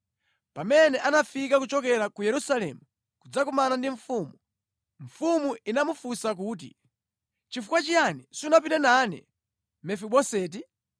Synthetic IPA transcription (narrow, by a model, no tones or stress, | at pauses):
pamɛnɛʔanafik̬akut͡ʃɔkɛɾakujɛɾusalɛ̰mu | kud͡zakumanandiɱ̩fuːmu | ɱ̩fumuinamufusak̬uːt̬ḭ | t͡ʃifukwat͡ʃijanɛsunap̬inɛnaːnɛ̰ | mɛfiɓɔsɛːt̬i